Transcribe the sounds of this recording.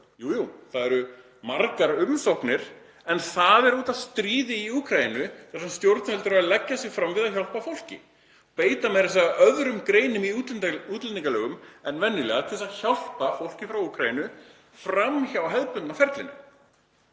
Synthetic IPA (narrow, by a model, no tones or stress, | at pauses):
juːjuːθaðɛɾʏ | maɾkaɾʏmsohpnɪɾ̥ | ɛnθaðɛɾuːt̪aðst̪ɾiːðɪiuːkʰɾajinʏθɛɾanst̪jowɾt̪nhɛlt̪ʏɾaalɛcːasɪɣfɾamvɪðaçawl̥pafowl̥cɪ̰ | ɔpeːjt̪amɛɾɪsaaʔœðɾʏmkɾeːjnʏmiuːt̪lɛniŋkalɛːɣʏmɛnːvɛnːɪlɛ̰ɣat̪ʰɪlsaðçal̥pafowl̥cɪfɾawuːkʰɾajinʏ | fɾamçawɦɛðpʏnt̪nafɛɾt̪lɪnɪ̰